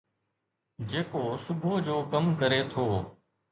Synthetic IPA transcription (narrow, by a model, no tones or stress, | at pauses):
d͡ʒeːkoːsʊbʱoːd͡ʒoːkəmkəɾeːt̪ʰoː